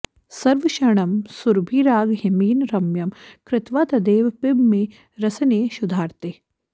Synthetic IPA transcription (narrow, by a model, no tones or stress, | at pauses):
sɐɾʋɐʃɐɳɐmsuɾbʱiːɾaːɡɦɐmiːnɾɐmjɐmkɾɪt̪ʋaːt̪ɐd̪eːʋpɪbme | ɾɐsɐneːʃud̪ʱaːɾt̪eː